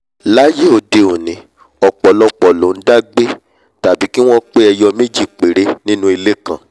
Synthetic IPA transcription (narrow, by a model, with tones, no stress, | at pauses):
la˦je˦o˧˨de˨o˨nĩ˨˦ | ɔ˨k͡pɔ˨˦lɔ˧k͡pɔ˨lõ˨˦n̩˦da˦ɡ͡be˦ | ta˨bi˨˦ki˦w̃ɔ̃˦k͡pe˦ɛ˧jɔ˧mẽ˦d͡ʒi˦˨k͡pe˨ɾe˧˦nĩ˦nũ˦i˧le˦kã˦˨